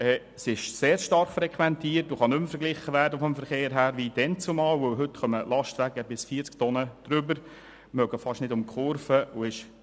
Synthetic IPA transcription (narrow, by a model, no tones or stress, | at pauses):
ɛː | sɪʃseːɾʃtɑɾχfɾɛkχʋɛnt̪iːrtoχɑnɵmfəɾɡlɪχəʋæɾdəfɔmfəɾχeːɾɦæːɾʋid̥ɛnt͡sumɑːlʋɵwɦɵtχœməlɑʃtʋæɡəbɪsfiːt͡skt̪ɔnəd̥ɾʏbəɾ | mœɡəfɑʃnɪdʊmkχʊɾfəoɪʃ